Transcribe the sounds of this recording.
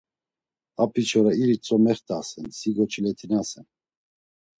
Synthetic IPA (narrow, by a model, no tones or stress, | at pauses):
apʰit͡ʃʰɔɾaiɾit͡sʼɔmɛχt̪ʰʼasɛnsiɡɔt͡ʃʰilɛt̪ʰinasɛn